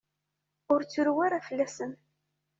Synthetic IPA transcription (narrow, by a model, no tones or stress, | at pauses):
ʊɾt͡sːʊɾwaɾafəlːæsən